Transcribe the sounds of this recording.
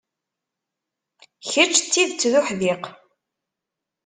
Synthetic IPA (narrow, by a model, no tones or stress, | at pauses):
çət͡ʃːt͡sːiðt͡sːðʊħðɪq